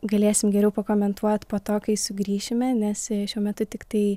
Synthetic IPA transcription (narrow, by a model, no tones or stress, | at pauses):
ɡɐlʲeːsʲɪmɡʲɛɾʲɛʊpɐkoːmʲɛnt̪uɔt̪poːt̪oːkʲɐɪsʊɡɾʲiːʃʲɪmʲɛnʲɛsʃʲuɔmʲɛt̪ʊt̪ʲɪkt̪ɐɪ